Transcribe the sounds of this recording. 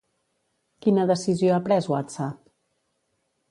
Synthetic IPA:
kinəðəsizjoapɾɛzwat̪t͡sap

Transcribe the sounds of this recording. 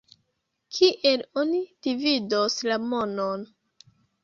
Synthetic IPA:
kʰiʔe̞lonid̥ividoslamo̞non

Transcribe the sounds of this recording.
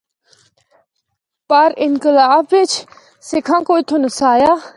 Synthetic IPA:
pəɾɪnkɪlaːbɪt͡ʃʰ | sekʰãːkoːit̪ʰonəsaːjaː

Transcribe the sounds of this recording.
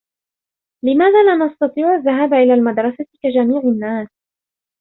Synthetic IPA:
lɪmaːðaːlanɑst̪ɑt̪ˤiːʕʔaðːaɦaːbʔɪlaːlmad̪ɾˤɑsakad͡ʒamiːʕɪnːaːs

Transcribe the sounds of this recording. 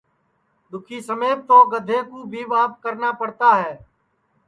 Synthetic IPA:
d̪ʊkʰiːsəmeːp̚t̪oːɡəd̪ʱeːkuːbʱiːʋaːp̚kəɾnaːpəɽt̪aːɦɛː

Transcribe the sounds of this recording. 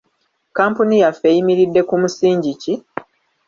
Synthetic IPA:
kaːmpunijafejimiɾidːe̞kumusiːɲɟici

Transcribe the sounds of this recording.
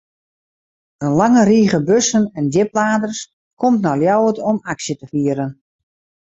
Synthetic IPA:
ənlaŋəriːɣəbøsənɛndɪp̚laːdərs | kʰomtnaljawətɔmaksjətəfiəɾən

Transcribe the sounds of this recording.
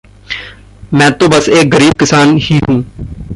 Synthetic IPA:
mɛ̃ːt̪õːbəseːkɡəɾiːb̚kɪsaːnhiːɦũː

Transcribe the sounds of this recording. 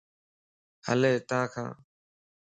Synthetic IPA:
hə̰leːt̪ãːkʰã̰ː

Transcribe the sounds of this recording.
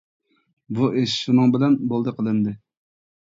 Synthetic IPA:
buʔeʃʃunɨŋbɪlɛnbolˠd̪əqʰəlˠɨnd̪ɨ

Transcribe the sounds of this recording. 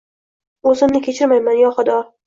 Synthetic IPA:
ɵzɪmnɪkʲʰe̞t͡ʃʰɪɾmajmanjɒχʊd̪ɒ

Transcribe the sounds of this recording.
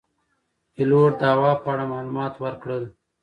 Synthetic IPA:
iloːɾd̪ɑːwɑːpɑːɽamaːlumɑːt̪wəɾkɽəl

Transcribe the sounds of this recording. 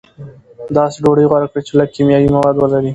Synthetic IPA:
d̪ɑseɖoɽəjɣwaɽakɽət͡ʃelaɡ̚kimjɑwimawɑd̪wəlaɾi

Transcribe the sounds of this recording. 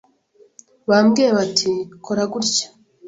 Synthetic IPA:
βamɡieβatʰikʰoɾaɡuɾcḁ

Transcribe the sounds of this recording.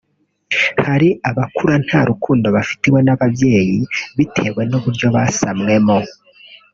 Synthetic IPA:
haɾiʔaβakuɾan̥haːɾukuːndo̞βafi̥tiwe̞naβavje̞ːjiβitʰe̞we̞noβuɾjo̞βasamŋe̞mo

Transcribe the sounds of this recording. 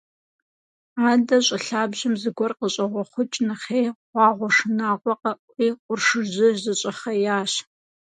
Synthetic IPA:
aːdɐɕʼɪɬaːbʑɪmzɨɡʷɔrqəɕʼɐʁʷɔχʷʊt͡ʃʼnɨχejʁʷɑːʁʷɔʂɨnaːʁʷɔqɐʔʷʼiːqʷʊrʂɨʑɪzɨɕʼɐχɐjaːɕ

